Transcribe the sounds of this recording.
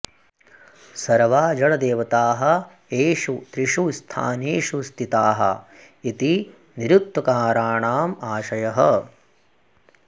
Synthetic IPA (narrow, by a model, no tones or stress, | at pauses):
sɐɾʋaːd͡ʒɐɭɐd̪eːʋɐt̪aːɦɐ̆ | eːʃut̪ɾiʂust̪ʰa̰ːneːʃust̪ʰit̪aːɦɐ̰ | it̪i | niɾuk̚t̪wɐkaːɾaːɳaːmaːʃɐjɐɦɐ